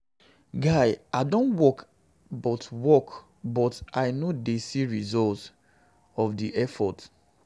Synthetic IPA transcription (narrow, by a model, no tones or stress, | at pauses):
ɡaɪaɪdõntwɔk | bɔtwɔk | bɔtaɪnodesiɹizɔlt | ɔfdiʔɛfɔt